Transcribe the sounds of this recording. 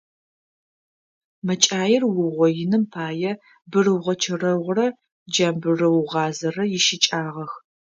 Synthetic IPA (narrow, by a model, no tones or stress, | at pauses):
mɐt͡ʃʼaːjɪrwʊʁʷɔjɪnɨmpʰaːjɛ | bɨrɨwʁʷɐt͡ʃʰɐrɐʁʷrɐ | d͡ʒɐmbɨrɨwʁɑːzɐrɐjɪʃɪt͡ʃʼaːʁɐx